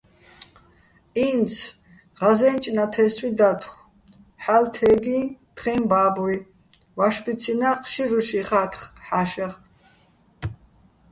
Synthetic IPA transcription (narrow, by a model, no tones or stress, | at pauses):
iːnsʰ | ʁazɛnt͡ʃʼnat̪ʰɛswid̪at̪ʰχ | ħalt̪ʰɛːɡ̪iːt̪χɛːmbaːbɔj | vaʃbit͡sʰinaqʼʃiɾuʃiχat̪ʰχħaʃɛʁ